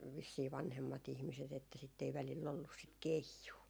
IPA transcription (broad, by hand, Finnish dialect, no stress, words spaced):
ʋisːiː ʋɑnhemːɑt ihmiset etːæ sitː ei ʋælilː olːus sit keijuː